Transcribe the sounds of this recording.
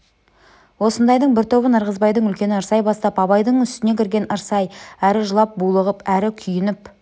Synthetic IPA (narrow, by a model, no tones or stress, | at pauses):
wo̞sənd̪ɑjd̪əɴbɪɾt̪ʰo̞βənəɾʁəzbɑjd̪əɴʏlkʲe̞nɪəɾsɑjbɑst̪ɑpɑβɑjd̪əɴʏst̪ɪne̞kʲʰɪɾɡʲe̞nəɾsɑjæɾɪʒəlˠɑp̚bulˠəʁəpæɾɪkʲʰʏjɪnɪp